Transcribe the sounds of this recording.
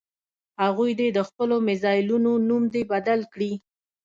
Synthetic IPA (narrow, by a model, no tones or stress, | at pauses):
haɣujd̪ed̪əxpəlomɪzɑjɪlunonumd̪ebad̪alkɽi